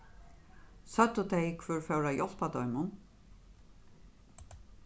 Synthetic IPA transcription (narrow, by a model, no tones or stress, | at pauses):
sœd̪ut̪ʰɛɪkʰvʏːɹfœwɾajɔl̥pad̪ɔʏmʊn